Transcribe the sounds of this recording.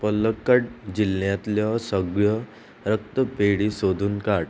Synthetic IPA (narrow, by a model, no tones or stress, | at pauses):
pələkːəʈ̚d͡ʑilːjãt̪ljɔsəɡjɔ | ɾək̚t̪əpeɽisod̪ʱuːnkaɽ